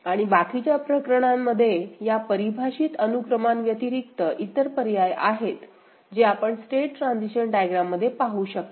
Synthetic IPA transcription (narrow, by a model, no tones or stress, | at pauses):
aɽ̃ibakit͡ɕapɾəkɾəɽ̃amːəd̪ʱːjejapəɾibʱaɕiːt̪ənukɾəmanʋjət̪iɾik̚t̪əʔit̪əɾpəɾjajaɦet̪ | d͡ʑeapəɳsʈeʈːɾãnd͡ziɕənɖajɡɾamːəd̪ʱːjepaɦuːɕək̚t̪